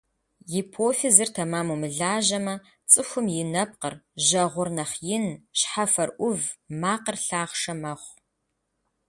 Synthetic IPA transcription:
jipʰoːfɪzɨrtʰɐmaːmumɨɮaːʒɐmɐ | t͡sʼɨxʷʊmjɪnɐp̚qərʒɐʁʷʊrnɐχjɪnɕħafɐrʔʷʊvmaːqərɬaːʁʂɐmɐχʷ

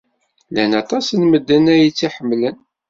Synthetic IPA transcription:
lænɑt̪ˤɑsənməd̪ːənæjit͡sːiħəmːlən

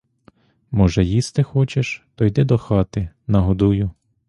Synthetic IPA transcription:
mɔʒɛjist̪ɪxɔt͡ʃeʃt̪ɔjd̪ɛd̪ɔxɑt̪ɪ | nɐɦɔd̪ujʊ

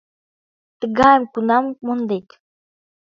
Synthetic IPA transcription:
t̪ə̆ɡɑjəmkunɑmmond̪ek

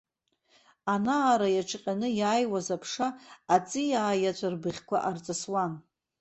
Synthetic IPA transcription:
anaːɾajaʈ͡ʂʰqʲʼanɨjaːjwazapʰʂaːt͡sʼɨjaːjat͡ɕʷʰarbɨχʲkʷʰa̰ʔart͡sʼaswan

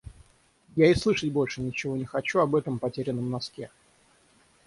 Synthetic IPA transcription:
jaɪslˠɨʂətʲbo̞lʲʂɨnʲɪt͡ɕɪvo̞nʲɪxɐt͡ɕuɐbɛt̪əmpɐtʲeɾʲɪnːəmnɐskʲe

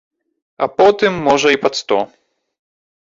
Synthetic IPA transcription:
ɐ̰pɔt̪ɨmːɔʐɐipat̪st̪ɔ

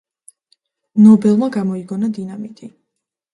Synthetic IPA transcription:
nɔbɛlˠmaɡamɔiɡɔnad̪inamik̪ʼi

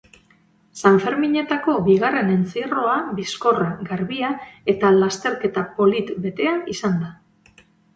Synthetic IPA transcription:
saɱfe̞ɾmiɲe̞t̪ako̞βiɣare̞ne̞nt͡siro̞aβisko̞raɡaɾβiae̞t̪alast̪e̞ɾke̞t̪apo̞lit̪be̞t̪e̞aisand̪a

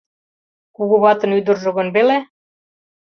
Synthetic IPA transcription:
kuɣuβɑt̪ə̆nyd̪ə̆rʒɤ̆ɣə̆nβele

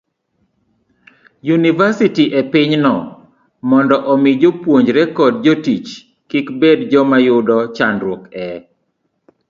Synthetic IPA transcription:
junivasitiʔepɪɲnɔ | mɔndɔʔɔmɪd͡ʒopwoɲd͡ʒɾɛkɔd̚d͡ʒɔtit͡ʃ | kɪkbedd͡ʒɔmajʊdɔt͡ʃanɾwokɛ

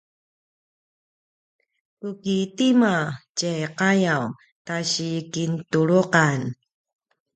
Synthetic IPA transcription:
kukitimacejqajaw | taɕikintuɭuqan

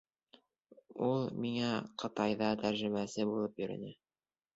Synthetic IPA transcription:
ulˠmiŋæqʰɤ̆t̪ɑjðɑt̪ʰæɾʒɘ̆mæsɘbulˠɤpjɵ̆ɾɘ̰̆næ

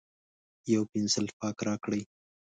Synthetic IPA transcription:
jawpɪnzəlpɑkɾɑkɽəj

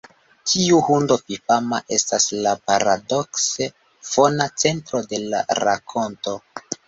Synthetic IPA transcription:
tʰiuhundopipamaʔe̞staslapaɾado̞kse | fo̞nat͡se̞ntɾo̞de̞la̰ɾa̰kʰo̞nto̞

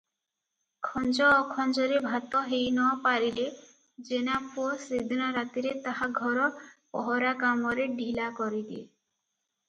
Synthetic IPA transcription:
kʰɔnd͡ʒɔːkʰɔnd͡ʒɔɾebʱat̪ɔɦejnɔpaɾile | d͡ʒenapʰosid̪nɔɾat̪iɾet̪aɦaɡʱɔɾɔpɔ̰ɦɔɾakamɔɾeɖʱilakɔɾid̪e

